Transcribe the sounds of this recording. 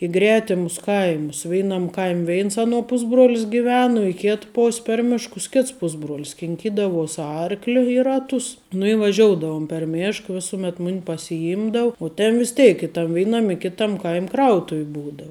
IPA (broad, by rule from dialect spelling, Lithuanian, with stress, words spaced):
ɪ ˈɡrʲæːtʲɪmʊs ˈkɐɪmʊs ˈʋʲɛɪnɐm ˈkɐɪmʲ ˈʋʲɛɪns ˈɑːˌnuɔ ˈpʊzbruɔlʲɪs ɡʲɪˈʋʲɛn ʊ ɪ ˈkʲɪt ˈpoːsʲ pʲɛr ˈmʲɪʃkʊs ˈkʲɪts ˈpʊzbruɔlʲɪs kʲɪŋʲˈkʲiːdɐʋuɔs ˈɐrklʲɪ ɪ ˈrɑːtʊs nʊ ɪ ʋɐˈʒʲoːʊdɐʋʊm pʲɛr ˈmʲeːʃk ˈʋʲɪsʊˌmʲɛt ˈmʊnʲ pɐsʲɪˈɪmdɐw ʊ ˈtʲɛn ʋʲɪs ˈtʲeːɪk ɪ tɐm ˈʋʲeːɪnɐm ɪ ˈkʲɪtɐm ˈkɐɪmʲ ˈkrɐʊtʊw ˈbuːdɐʊ